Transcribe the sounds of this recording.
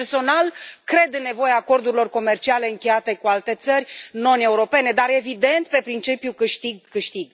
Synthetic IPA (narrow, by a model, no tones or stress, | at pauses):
rso̞nalkɾe̞d̪ɨnːe̞vo̞jaːko̞rd̪uɾʲilo̞rko̞me̞rt͡ʃiale̞ɨŋkʲe̞jat̪e̞kualt̪e̞t̪sərʲno̞ne̞uɾo̞pe̞ne̞d̪aɾe̞vid̪e̞nt̪pe̞pɾint͡ʃipjukɨʃt̪iɡ̚kɨʃt̪iɡ